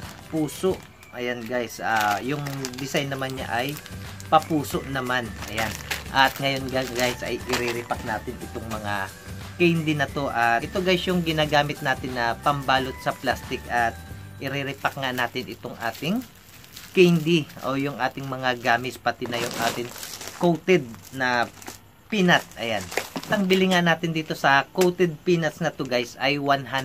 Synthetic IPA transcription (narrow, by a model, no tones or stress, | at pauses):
puːso̞ʔ | ʔɐjanɡajsajʊŋd̪ɪsajnɐmanːɲa̰ʔɐjpɐpuːso̞ʔnɐmanʔɐ̰janʔɐt̪̚ŋɐjo̞nɡaɡajsʔɐ̰jʔɪɾɛɾɪpɐk̚naːt̪ɪnɪt̪oŋmɐŋa | kɛjnd̪inɐt̪o̞ʔɐaʔɪt̪oɡajsjʊŋɡɪnaːɡaːmɪt̪̚naːt̪ɪnːɐpɐmbaːlot̪̚sɐplast̪ɪkʔɐt̪̚ʔɪɾɛɾɪpɐk̚ŋanaːt̪ɪnʔɪt̪oŋʔa̰ːt̪ɪŋ | kɛjnd̪iʔo̰jʊŋʔaːt̪ɪŋmɐŋaɡaːmɪspɐt̪ɪnɐjʊŋʔa̰ːt̪ɪŋkowt̪ɛd̪̚nɐ | piːnɐt̪̚ʔɐ̰jant̪ɐŋbɪlɪŋanːaːt̪ɪnd̪iːt̪o̞sɐkowt̪ɛd̪̚piːnɐt̪snɐt̪oɡajsɐjwanɦan